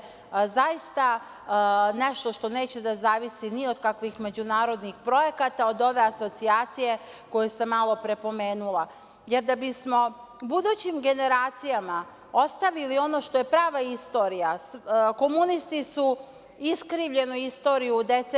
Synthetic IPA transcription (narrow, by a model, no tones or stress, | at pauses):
zajist̪a | ne̞ʃt̪o̞ʃt̪o̞ne̞ːt͡ɕed̪azaːʋisinio̞d̪kakʋixme̞d͡ʑunaːɾo̞d̪nixpɾo̞je̞kat̪aod̪o̞ʋe̞aso̞t̪siaːt̪sije̞ko̞jesemːalo̞pɾe̞po̞me̞ːnulˠa | je̞ɾd̪abismo̞ | bud̪uːt͡ɕimɡe̞ne̞ɾaːt̪sijama | ost̪aʋilio̞no̞ʃt̪o̞je̞pɾaːʋaist̪o̞ːɾijasko̞munist̪isu | iskɾiːʋʎe̞nuist̪o̞ːɾijud̪e̞t̪se